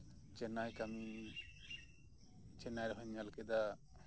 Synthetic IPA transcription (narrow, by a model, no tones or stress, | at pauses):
t͡ʃɛnajkami | t͡ʃɛnajɾɛɦɔɲalkɛd̪a